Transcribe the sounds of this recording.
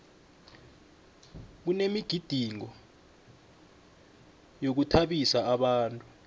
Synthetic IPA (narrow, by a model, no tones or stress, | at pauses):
k̬unemiɡ̥ʱid̥ʱiŋɔ | jok̬utʰaɓisaːɓaːntʼu